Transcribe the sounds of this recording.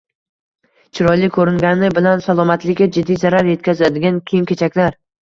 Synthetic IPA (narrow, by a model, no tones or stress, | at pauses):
t͡ʃʰɪɾɒjlɪkʰːɵɾɪŋɡʲanɪbɪlansalˠɒmat̪lɪkʲːad͡ʒɪd̪ːijzaɾaɾje̞t̪̚kʲʰazad̪ɪɡʲankʲʰejɪmkʲe̞t͡ʃʰakʲlaɾ